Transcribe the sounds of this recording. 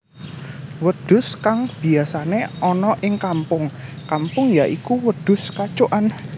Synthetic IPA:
wəd̪̥ʊ̤skaŋb̥i̤asaneʔɔnɔʔɪŋkampʊŋkampʊŋjaʔikuwəd̪̥ʊ̤skat͡ʃoʔan

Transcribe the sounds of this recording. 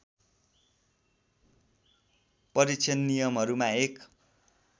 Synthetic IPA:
pʌɾit͡sʰʌnːijʌmɦʌɾumaek

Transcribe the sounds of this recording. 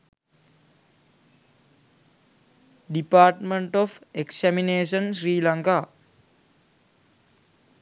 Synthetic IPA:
ɖipaːʈməɳʈofeksɛmineːsənsɾiːlaŋkaː

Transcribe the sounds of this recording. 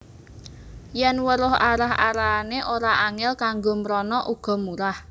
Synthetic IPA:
jɛnwəɾʊɦaɾaɦa̰ɾaneʔoɾaʔaŋɪlkaŋɡomɾɔnɔʔuɡ̥ɔ̤muɾah

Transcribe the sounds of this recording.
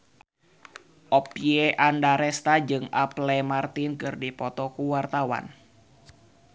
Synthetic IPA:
ʔɔpieʔandaɾɛst̪ad͡ʒɨŋaplɛmart̪inkɨrdipɔt̪ɔkuwart̪awa̰n

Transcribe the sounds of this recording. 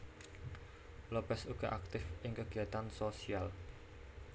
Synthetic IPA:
lob̥ɛsuɡ̥aʔak̚t̪ɪfʔɪŋkəɡ̥iat̪ansosial

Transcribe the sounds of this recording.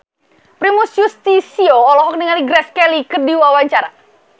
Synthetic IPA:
pɾimusjust̪isioɔlɔɦɔk̚nəŋaliɡɾɛskɛlikərdiwawaɲt͡ʃaɾa̰

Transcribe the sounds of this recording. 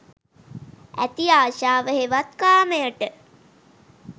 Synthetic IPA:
æ̰t̪iaːʃaːʋəɦeʋat̪kaːməjəʈə

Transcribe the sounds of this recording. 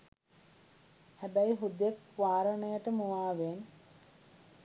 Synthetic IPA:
hæbæjiɦud̪ekʋaːɾəɳəjəʈəmuʋaːʋen

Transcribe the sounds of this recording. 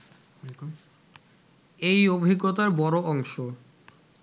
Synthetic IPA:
k | ejobʱiɡːot̪̬aɾbɔɾoʔɔŋʃo

